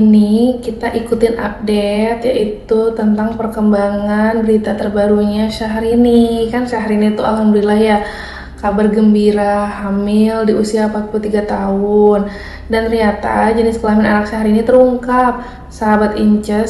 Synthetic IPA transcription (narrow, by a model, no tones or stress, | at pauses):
nikit̪aʔikut̪ɪnʔa̰p̚dɛt̪jaʔit̪ut̪ənt̪aŋpərkəmbaŋanbəɾit̪at̪ərbaɾuɲaʃaɦaɾinikanʃaɦaɾinit̪ua̰lɦamdulilahja | kabarɡəmbiɾaɦamɪldiusiapak̪̚pult̪iɡat̪aʊn | dant̪əɾiɲat̪a̰d͡ʒənɪskəlamɪnanakʃaɦaɾinit̪əɾuŋkap̚ | səɦabat̪iɲt͡ʃɛ